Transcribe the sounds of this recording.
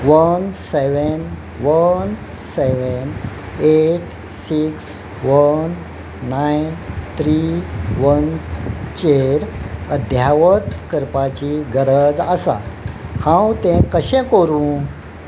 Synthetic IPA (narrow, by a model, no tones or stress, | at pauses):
ʋənseʋən | ʋən | seʋən | eʈ | siks | ʋənː | ajnt̪ʰɾiʋənt͡ɕeɾəd̪ʱjaʋət̪kəɾpat͡ɕiɡəɾəd͡zəsa̰hãwt̪ɛ̃kəɕɛ̃koɾũː